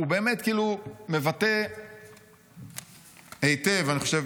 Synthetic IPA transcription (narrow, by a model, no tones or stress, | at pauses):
ube̞ːme̞tkiːlume̞vate | ejtevaniχo̞ʃe